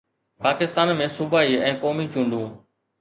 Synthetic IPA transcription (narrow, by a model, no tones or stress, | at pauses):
paːkɪst̪aːnmẽːsʊbaːiːɛ̃ːkoːmit͡ʃũːɳɖ̪ũː